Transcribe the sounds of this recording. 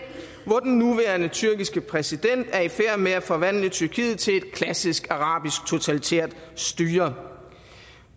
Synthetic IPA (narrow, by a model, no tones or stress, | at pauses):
ʋɒd̥nːuʋæːɐnət͡sʰyɐɡ̥isɡ̥əpʰʁɛsid̥en̰d̥æɐifæɐ̰meæfɒ̽ʋæn̰lət͡sʰyɐkʰḭːð̞̩ˠt͡sʰe̝le̝d̥̚kʰlæsisɡ̥ɑ̈ʁɑ̈ːb̥isɡ̥̚t͡sʰo̝t͡sʰælit͡sʰḛɐ̰d̥sd̥yːɐ